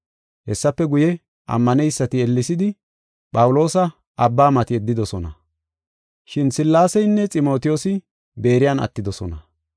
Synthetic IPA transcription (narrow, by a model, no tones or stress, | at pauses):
hɛsːɐpːɛɡʊjɛ | ʔɐ̰mːɐnɛjsːɐt̪ɪɛlːɪsɪd̪ɪ | pʼɐwʊlo̞ːsɐ | ʔɐbːaːmɐt̪ɪɛd̪ːɪd̪ɔsɔnɐ | ʃɪnsɪlːaːsɛjnːɛt͡sʼɪmo̞ːt̪ɪjoːsɪ | be̞ːɾɪjanɐ̰t̪ːɪd̪ɔsɔnɐ